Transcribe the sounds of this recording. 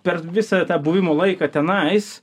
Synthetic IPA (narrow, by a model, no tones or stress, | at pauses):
pʲɛrʋʲɪsɑt̪ɑːbuːʋʲɪmoːlˠɐɪkɑːt̪ʲɛnɐɪs